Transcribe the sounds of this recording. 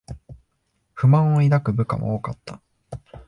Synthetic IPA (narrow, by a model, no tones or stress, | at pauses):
ɸɯ̟mãɰ̃oid̪akɯ̟bɯ̟ka̰mo̰oːkat̪ːa